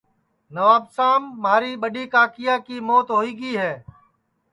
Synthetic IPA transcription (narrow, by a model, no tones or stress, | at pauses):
nəʋaːbsaːmːaːɾiːɓəɗiːkaːkɪjaːkiːmoːt̪ɦoːiːɡiːɦɛː